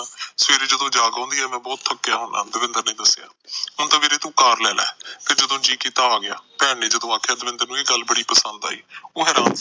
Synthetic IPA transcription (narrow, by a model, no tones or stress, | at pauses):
sʋeːɾeːd͡ʒəd̪õːd͡ʒaːɡãːnd̪iːɛːmɛ̃ːbɔːt̪t̪ʰəkːejaːɦʊna̰ːd̪əʋɪ̃nd̪əɾnẽːd̪əsja̰ːɦʊnt̪ãːmeːɾeːt̪ũːkaːɾlɛːla̰ːt̪ed͡ʒəd̪õːd͡ʒiːkiːt̪aːaːɡɪa̰ːpɛːɳeːd͡ʒəd̪õːaːkʰjaːd̪əʋɪ̃nd̪əɾnũːeːɡəlbəɽiːpəsənd̪a̰ːḭːoːɦɛːɾãːn